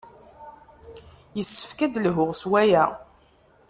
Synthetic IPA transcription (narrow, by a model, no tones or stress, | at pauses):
jəsːə̥fkæd̪lɦʊʁswæjæ